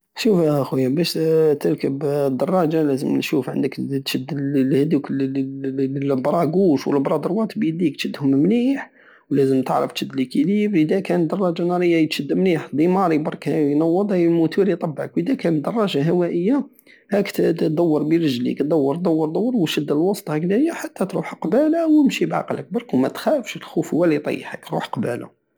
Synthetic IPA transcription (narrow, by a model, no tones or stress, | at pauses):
ʃufæxujæbæʃt̪əɾkəbd̪ːɑrˤːɑʒalæzəmnʃufʕə̰nd̪əkt̪ʃəd̪ːəlhd̪ukl | bɾˤɑɡuʃwəlbɾˤɑd̪əɾwɑt̪bid̪ik̚t̪ʃəd̪ːhʊmmliħ | wlæzəmt̪əʕɾə̰ft̪ʃəd̪ːəlʔəkilibəd̪ækænət̪d̪ːɑrˤːɑʒɑnɑɾˤəjːat̪ʃəd̪ːəmliħd̪ˤimɑɾibɑɾˤkjnɑwːəd̪ˤhæjlmut̪uɾit̪ˤɑbːʕəkwəd̪ækænət̪d̪ːɑrˤːɑʒaɦæwæʔəjːa | hækt̪d̪æwːəɾˤbiɾəʒlḭkt̪d̪ɑwːəɾˤtd̪ˤɑwːəɾd̪ɑwːəɾwʃəd̪ːəlwɑst̪ˤhɑklæjaħat̪ːæt̪ɾuħqbælawəmʃibʕɑ̰qlək̚bɑɾˤkwmæt̪xæfʃəlxufhʊːælit̪ˤḭjːħə̰kɾṵħqbæ̰la̰